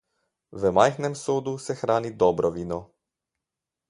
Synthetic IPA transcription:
ʋəmajxnɛmsoːd̪usɛxɾaːnid̪ɔbɾɔʋiːnɔ

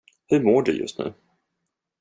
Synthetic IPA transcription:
hɵmoːɖɵ̰jɵ̰st̪nʉ̟̰ː

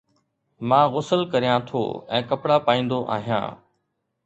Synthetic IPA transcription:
mãːɣʊsəlkɐɾijãt̪ʰo̰ːɛ̃ːkɐpɽapaːĩːnd̪oʔa̰ːɦijã̰ː

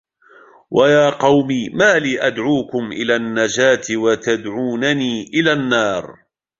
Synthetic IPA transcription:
wʔajaːqɑwmiːmaːliːʔad̪ʕuːkʊmʔɪlaːnːad͡ʒaːt̪ɪwat̪ad̪ʕuːnaniːʔɪlaːnːɑːɾˤ

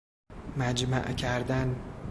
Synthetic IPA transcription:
mæd͡ʒmæ̰ʔcʰæɾd̪æn

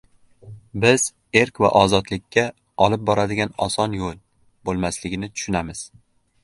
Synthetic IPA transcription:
bɪz̥ | e̞ɾkʲva̰ʔɒzɒt̪lɪkʲʰːa | ɒlˠɪp̚bɒɾad̪ɪɡʲanɒsɒnjolˠ | bolˠmaslɪɡʲɪnɪt̪ʰʊ̥ʃʊnamɪz̥

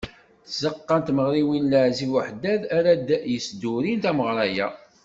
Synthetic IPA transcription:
t͡szəqːɑnt̪məʁɾiwinləʕzivəħd̪æðæɾæd̪jəsd̪uɾint̪æməʁɾˤɑjæ̰

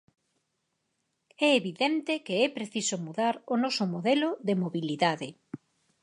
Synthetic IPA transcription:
ɛeβiðɛnt̪ɪkeɛpɾeθisʊmuðaɾonɔsʊmoðɛlʊðemoβiliðaðɪ

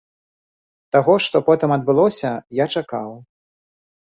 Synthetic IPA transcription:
t̪aɣɔʂt̪ɔpɔt̪ɨmɐd̪̚bɨlˠɔsʲɐjat͡ʂakaw

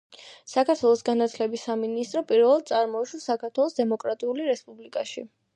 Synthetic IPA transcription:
sakʰaɾt̪ʰwɛlˠɔsɡanat̪ʰlɛbisːaminist̪ʼɾɔpʼiɾvɛlˠad̪t̪sʼaɾmɔuʃwasakʰaɾt̪ʰwɛlˠɔsd̪ɛmɔkʼɾat̪ʼiuliɾɛspʼublikʼaʃḭ

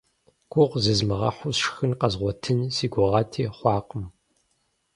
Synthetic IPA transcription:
ɡ̥ʷʰʼʊʁʷzɨzmɨʁɐ̰ħʷʊsʃxɨnqɐzʁʷɔtʰɨnsiːɡʷʊʁɐtʰiːχʷɑːqəm

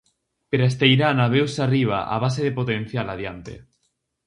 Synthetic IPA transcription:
peɾaes̬t̪ejɾanaβ̞ewsariβ̞a̰ʔa̰β̞aseðepot̪en̟θjalaðjant̪ḛ

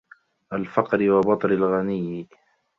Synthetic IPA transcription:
ʔalfɑqɾɪwabɑt̪ˤɾɪlɣanɪjː

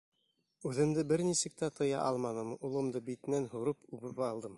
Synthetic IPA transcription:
ʉðɘ̆md̪ɘbɘɾnisɘ̆k̚t̪æt̪ʰɤ̆jɑ̰ʔɑlˠmɑnɤmulˠɤ̆md̪ɤbit̪ɘ̆nænɦuɾɤpʉβɘpɑlˠd̪ɤm

